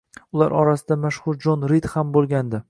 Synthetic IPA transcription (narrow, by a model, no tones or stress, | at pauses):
ʊla̰ɾɒɾasɪd̪amaʃhʊɾd͡ʒɒnɾit̪hambolˠɡʲand̪ɪ